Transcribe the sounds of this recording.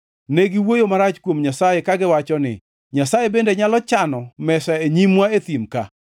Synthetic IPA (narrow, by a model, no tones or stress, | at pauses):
neɡiwojomaɾat͡ʃkwomɲasajekaɡɪwat͡ʃɔnɪ̰ | ɲasajebendeɲalɔt͡ʃanɔmɛsaeɲimwaet̪imka